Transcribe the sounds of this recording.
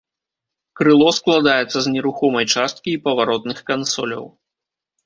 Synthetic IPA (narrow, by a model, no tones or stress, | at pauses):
kɾɨlˠɔsklˠad̪ajɛt̪sːɐznʲɛɾuxɔmɐjt͡ʂast̪̚kʲiːpɐvaɾɔt̪nɨxkansɔlʲɐ̰w